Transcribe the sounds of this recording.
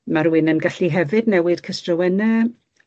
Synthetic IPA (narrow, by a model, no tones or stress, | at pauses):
maɾwɪnənɡaɬiɦɛvɨdnɛwɨd̥kʰəstrɔwɛnɛ